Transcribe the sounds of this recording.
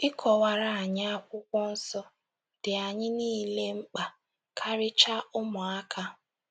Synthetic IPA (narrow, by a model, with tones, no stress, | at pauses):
ɪ˦kʰɔ˨wa˨ɾa˨a˨ɲ˦a˦kʷʊ˦kʷɔ˦n̩˦sɔ˦ | d̥ɪ˨a˨ɲɪ˦niː˦le˦ŋ͡m̩˦k͡pa˨ | kʰa˦ɾɪ˦t͡ʃa˦ʊ˦mʊ˨a˦kʰa˦